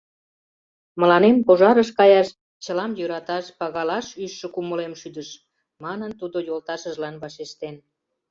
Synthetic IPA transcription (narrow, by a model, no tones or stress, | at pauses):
məlɑnempoʒɑɾəʃ̬kɑjɑʃ | t͡ɕəlɑmjøɾɑt̪ɑʃpɑɣɑlɑʃyʃːə̆kuməlemʃyd̪əʃ | mɑnənt̪ud̪ojolt̪ɑʃəʒlɑnβɑʃeʃt̪en